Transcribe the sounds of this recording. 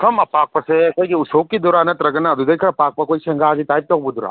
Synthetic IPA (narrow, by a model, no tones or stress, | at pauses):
kʰɐmɐpaːk̚pɐsekoikiusoːkːid̪uɾaːnɐt̪ɾɐɡɐnːaɐd̪ud̪ɐjkʰɐɾɐpaːk̚pɐkoːisɐŋɡaːɡit̪aːjp̚t̪ɐɦbud̪uɾa̰